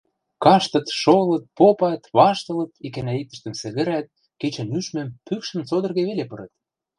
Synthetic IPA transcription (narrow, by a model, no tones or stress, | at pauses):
kɑʃt̪ɤ̆t̪ʃolɤ̆t̪̚popɑt̪βɑʃt̪ɤ̆lɤ̆t̪ikænæit̪ə̆ʃt̪ə̆msɘ̆ɣə̆ɾæt̪̚ | ket͡ɕĕnyʃmɘ̆mpykʃə̆nt͡sod̪ɤ̆rɣeβelepɤ̆ɾə̆t̪̚